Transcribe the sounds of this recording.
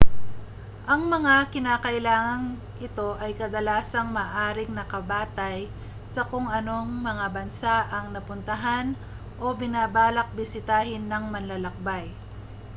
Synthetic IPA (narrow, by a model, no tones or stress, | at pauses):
ʔɐŋmɐŋakɪnaːkɐʔɪlaːŋɐŋ | ɪt̪o̞ʔɐjkɐd̪ɐlaːsɐŋmaːʔaːɾɪŋnɐkɐbaːt̪ɐj | sɐkoŋɐno̞ŋmɐŋabɐnsaʔɐŋnɐpʊnt̪ɐɦan | ʔo̞bɪnaːbaːlɐk̚bɪsɪt̪aːhɪnːɐŋmɐnlalɐk̚baj